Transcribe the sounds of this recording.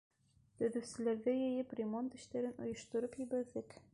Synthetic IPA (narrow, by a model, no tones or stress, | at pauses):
t̪ɵ̆ðɵsɘlæɾðæjɘjɘprʲemont̪ɘ̆ʃt̪æɾɘno̰jŏʃt̪ŏɾɤpjibæɾðɘk